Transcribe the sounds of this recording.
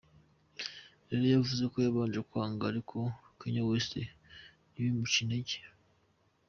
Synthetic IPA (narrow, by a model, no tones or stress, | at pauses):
ɾeɾojavuze̞kojaβaːnd͡ʒekwaːŋɡaːɾikʰo̞kiɲawestḛ | niβimucineɟi̥